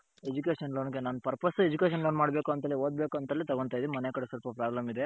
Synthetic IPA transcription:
ed͡ʒukeːʂɐnloːnɡenaːnpɐɾpɐsed͡ʒukeʃɐnloːnmaːɽbe̞ːkuɐnt̪ɐlioːd̪̚beːkuɐnt̪ɐːlit̪ɐɡoɳt̪aːjid̪emɐnekɐɽesɐlpɐpɾaːblɐmid̪e

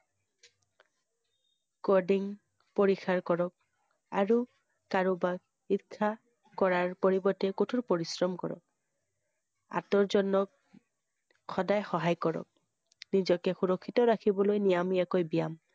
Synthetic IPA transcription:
kɔɹdiŋ | poɹixaɹkɔɹɔk̚ | a̰ɹu | kaɹobaɡ̚ | itkʰːa | kɔɹaɹpoɹibɔtɛkotʰuɹpoɹisɹɔmkɔ̰ɹɔ̰k̚ | a̰tɔɹzɔnːɔk̚ | xɔdajxɔɦajkɔɹɔ̰k̚ | nizɔkɛxuɹɔkʰːitɔɹakʰibɔlojnijamiakojbijam

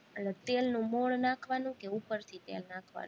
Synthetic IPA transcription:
əlet̪elnũmoɭnakʰʋanũkeupəɾt̪ʰit̪ḛlnakʰʋa̰n

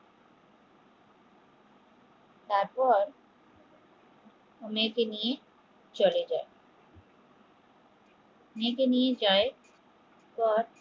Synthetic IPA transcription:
t̪aɾpɔɾ | omekenije | t͡ɕoled͡ʑae | mekenijed͡ʑae | p̪ɔɾ

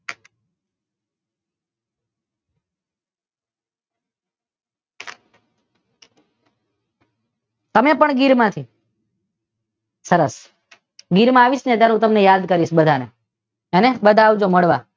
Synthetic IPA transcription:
t̪əmepəɳɡiɾmãt̪ʰi | səɾəs | ɡiɾmãaʋiʃnet̪jaɾɦũt̪əmnejad̪kəɾiʃbəd̪ʱane | enebəd̪ʱaːʋd͡ʒoməɽʋa

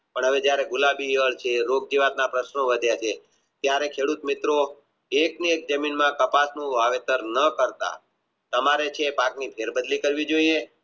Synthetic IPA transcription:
pəɳɦəʋed͡ʒjaɾeɡulabiəɭt͡ʃʰeɾoɡ̚d͡ʒiʋat̪napɾəʃnoʋəd̪ʱjat͡ʃʰe | t̪jaɾekʰeɽut̪mɪt̪ɾo | ekniek̚d͡ʒəminmãkəpasnũʋaʋet̪əɾnəkəɾt̪a̰ | t̪əmaɾet͡ʃʰeːpãknipʰeɾbəd̪likəɾʋid͡ʒoie

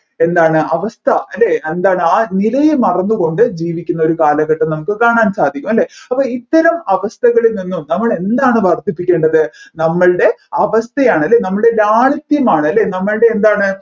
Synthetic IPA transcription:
e̞nd̪aːɳɨʔɐʋɐst̪ʰɐɐlːeːend̪aːɳɨaːnilɐjemɐrɐnːuɣo̞ɳɖɨd͡ʑiːʋikʲːunːɐo̞ɾukaːlɐɣɐʈːɐnɐmukːɨkaːɳaːnsaːd̪ʱikʲːumɐlːe̞ɐpːoːit̪ːɐɾɐmɐʋɐst̪ʰɐɣɐɭilninːumnɐmːɐɭe̞nd̪aːɳɨʋɐrt̪ːipːikʲːe̞ːɳɖɐðɨnɐmːɐɭɨɽe̞ɐʋɐst̪ʰɐjaːɳɨɐlːe̞ːnɐmːɐɭɨɽelaːɭɐt̪jɐmaːɳɨɐlːe̞ːnɐmːɐɭɨɽe̞ːnd̪aːɳɨ

